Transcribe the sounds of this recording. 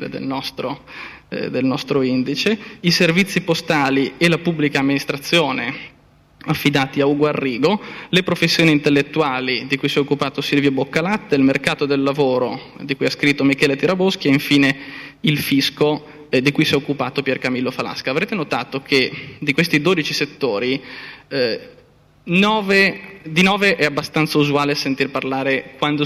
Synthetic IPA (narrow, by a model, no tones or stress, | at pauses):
ḛd̪ḛlnɔst̪ɾo | d̪elnɔst̪ɾoind̪it͡ʃeiservit̪sːipost̪aːlielapubːlikaːmːinist̪ɾat̪sːjoːne | afːid̪aːt̪iauɡwarːiːɡolepɾofesːjoːnint̪elːet̪ːuaːlid̪ikujsɛokːupaːt̪osilvjobokːalat̪ːeilmerkaːt̪od̪elːavoːɾo | d̪ikujaskɾit̪ːomikɛːlet̪iɾabosk̟ieiɱfiːneilfisko | d̪ikujsɛokːupaːt̪opjɛrkamilːofala̰skaːvɾeːt̪enot̪aːt̪okʰed̪ikwest̪id̪oːd̪it͡ʃiset̪ːoːɾi | nɔːved̪inɔːveʔɛabːast̪ant̪sauzuaːleasent̪irparlaːɾekwand̪o